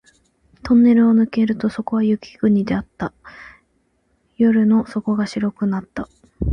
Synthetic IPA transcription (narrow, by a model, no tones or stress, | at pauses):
t̪ʰõ̞nːe̞ɾɯ̟o̞nɯ̟ke̞ɾɯ̟t̪o̞so̞ko̞βajɯkʲi̥ɡ̥ɯ̟ɲ̟id̪e̞at̪ːa | jo̞ɾɯ̟no̞so̞ko̞ɡaɕiɾo̞kɯ̟nat̪ːa